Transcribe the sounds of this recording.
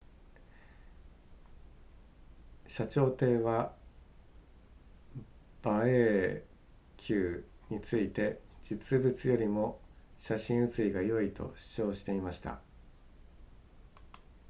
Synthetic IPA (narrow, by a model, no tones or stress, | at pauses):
ɕat͡ɕo̞ːt̪e̞ːβa | b̥ae | kʲʰɨːɲ̟it͡sɨit̪e̞d͡ʑit͡sɨbɯ̟t͡sɨjo̞ɾʲimo̞ɕaɕĩɰ̃ɯ̟t͡sɨiɡajo̞it̪o̞̰ɕi̥t͡ɕo̞ːɕi̥t̪e̞imaɕi̥t̪a̰